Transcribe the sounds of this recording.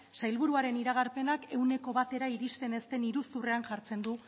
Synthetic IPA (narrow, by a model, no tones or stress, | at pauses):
sajlβuɾuaɾe̞niɾaɣ̞aɾpe̞nake̞wneko̞βat̪e̞ɾaiɾist̪e̞ne̞st̪e̞niɾusure̞anʝaɾt͡se̞nd̪u